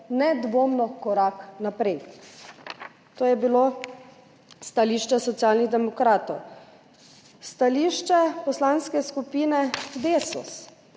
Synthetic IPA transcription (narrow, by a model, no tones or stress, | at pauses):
nɛd̪ʋoːmnɔkɔɾaknapɾɛj | t̪oːjɛbilo | st̪aliːʃt͡ʃɛsɔt̪sjalniɣd̪ɛmɔkɾaːt̪ɔw | st̪aliʃt͡ʃɛpɔslanskɛskupiːnɛd̪esṵs